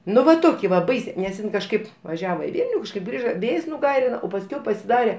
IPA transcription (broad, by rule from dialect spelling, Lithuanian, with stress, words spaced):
ˈnʊ ʋɐ ˈtoːkʲɪ ʋɐ ˈbɐɪsʲeː nʲɛs ˈɪn kɐʃˈkɐɪp ʋɐˈʒʲæːʋoː ɪ ˈʋʲiːlʲnʲʊ kɐʃˈkɐɪp ˈɡrʲiːʒɐ ˈʋʲeːjs nʊˈɡɐɪrʲɪnɐ oː pɐsʲˈkʲɛʊ pɐsʲɪˈdɑːrʲɛ